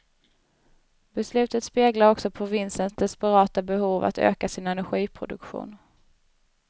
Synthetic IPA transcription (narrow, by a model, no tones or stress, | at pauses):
b̥ɛslʉ̟ːt̪ət̪speːɡlaɾɔksɔpʰɾʊvɪnsənsd̪ɛspɛɾɑːt̪abɛhuːva̰t̪ʰø̰ːkasɪnɛnæɾɧiːpʰɾʊd̪ɵ̰kɧṵːn